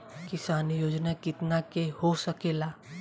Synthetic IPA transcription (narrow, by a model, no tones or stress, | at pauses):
kɪsaːnjoːd͡ʒnakɪt̪nakehosəkeːlaː